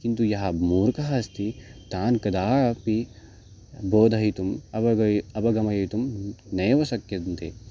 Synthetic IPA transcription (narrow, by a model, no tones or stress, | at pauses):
kint̪ujɐɦɐmuːɾkɐɦɐst̪it̪aːnkɐd̪aːpi | boːd̪ʱɐɦit̪umɐɐɐɐbɐɡɐmɐjɐjt̪umneːʋɐsɐkjɐd̪nt̪e